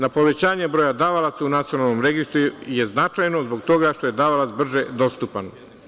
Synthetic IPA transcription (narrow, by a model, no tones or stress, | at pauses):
napo̞ʋe̞t͡ɕaːɲebɾo̞ːjad̪aʋalˠat̪saunat̪sionalno̞mɾe̞ɡist̪ɾujeznat͡ʃajno̞zbo̞ɡt̪o̞ɡaʃt̪o̞je̞d̪aʋalat̪sbr̩ʒed̪o̞st̪upan